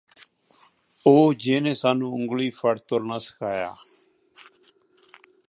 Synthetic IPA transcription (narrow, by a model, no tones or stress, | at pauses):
oːd͡ʒeːnẽːsaːnũːʊŋɡliːpʰəɽt̪oɾnaːsə̥kʰaːja̰ː